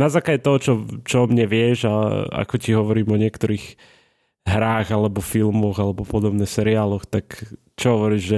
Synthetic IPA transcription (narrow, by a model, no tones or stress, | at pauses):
nazaːkaɟɛt̪ɔɦɔt͡ʃɔt͡ʃɔɔmɲɛʋɪɛʒaa̰kɔciɦɔʋɔɾiːmɔɲɪɛkt̪ɔɾiːɣ | ɦɾaːɣalɛbɔfilmɔɣalɛbɔpɔd̪ɔbnɛːxsɛɾiaːlɔxt̪ak | t͡ʃɔɦɔʋɔɾiːʒʒɛ